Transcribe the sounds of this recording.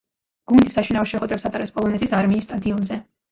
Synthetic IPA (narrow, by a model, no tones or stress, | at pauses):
ɡ̥und̪isaʃinaɔʃɛχwɛd̪ɾɛpsat̪ʼaɾɛpspʼɔlˠɔnɛt̪ʰisaɾmiːsːt̪ʼad̪iɔnzɛ